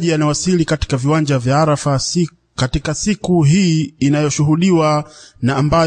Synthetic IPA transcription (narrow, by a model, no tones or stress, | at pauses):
ʄijanawasilikati̥kaviwand͡ʒavjaaɾafa | katikasikuɦiːinajɔʃuɦuɗiwanaːmba